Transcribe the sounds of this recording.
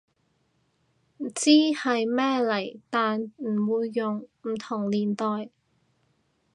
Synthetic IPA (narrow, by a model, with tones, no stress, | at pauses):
t͡siː˥hɐ˨jmɛː˥lɐ˨˩jt̪aː˨nm̩˨˩wuː˨˧jːʊ˨ŋm̩˨˩t̪ʰʊ˨˩ŋliː˨˩nt̪ɔː˨j